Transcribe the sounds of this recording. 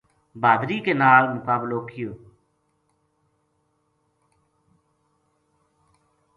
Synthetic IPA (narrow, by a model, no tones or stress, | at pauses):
bʱaːd̪ɾiːkeːnaːlmʊkaːbloːkʰɪjoː